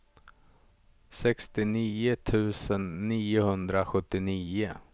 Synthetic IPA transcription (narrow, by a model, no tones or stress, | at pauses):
sɛkst̪ɪniːʊt̪ʰʉ̟ːsənːiːʊhɵnd̪ɾaɧɵt̪ːɪniːʊ